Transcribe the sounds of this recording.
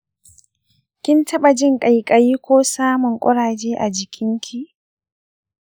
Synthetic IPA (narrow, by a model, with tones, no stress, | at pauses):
kʲɪ˦ntʰɐ˦ɓa˨d͡ʒɪ˦ŋkʼa˨jkʼa˨jiː˦kʷoː˦saː˦mʊ˨ŋkʷʼɔ˦ɽaː˨d͡ʒeː˦ʔa˨d͡ʒɪ˨kʲʰɪ˦ŋkʲʰi˦ʔ